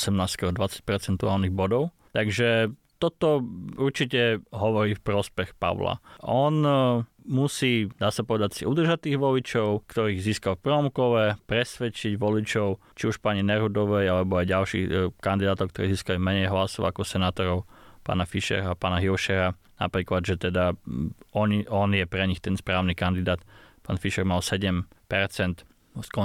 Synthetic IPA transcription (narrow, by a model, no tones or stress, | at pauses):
sɛmnaːst̪kɛɦɔd̪ʋat͡sḁc̚pɛɾt͡sɛnt̪uaːlniɣbɔd̪ɔʊ | t̪aɡʒɛ | t̪ɔt̪ɔuɾt͡ʃicɛɦɔʋɔɾiːfpɾɔspɛxpa̰ʊla̰ʔɔn | musiːd̪aːsapɔʋɛd̪acsiud̪r̩ʒat̪iːɣʋɔlit͡ʃɔʊkt̪ɔɾiːɣziːskalfpr̩ɔmkɔʋɛpɾɛsʋɛt͡ʃiɟʋɔlit͡ʃɔʊt͡ʃiuʃpaːɲinɛɾud̪ɔʋɛjalɛbɔajɟalʃḭxkand̪id̪aːt̪ɔʊkt̪ɔɾiːziːskalimɛɲɛjɦlasɔʊakɔsɛnaːt̪ɔɾɔʊpa̰ːnafiʃɛ̰ɾapa̰ːnaɦiʊʃɛɾa | na̰pɾiːklad̪ʒɛt̪ɛd̪a | ɔɲiɔnjɛpɾɛɲixt̪ɛnspɾaːʊnikand̪id̪aːt̪pa̰ːnfiʃɛɾmalsɛɟɛmpɛɾt͡sɛnt̪ | skɔ